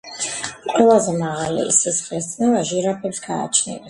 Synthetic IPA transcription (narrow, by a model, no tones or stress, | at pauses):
qʼwɛlˠazɛmaʁalḭsɛsχlɛsd̪nɛlaʒiɾapʰɛpsɡ̥a̰ːt͡ʃʰnḭlɛ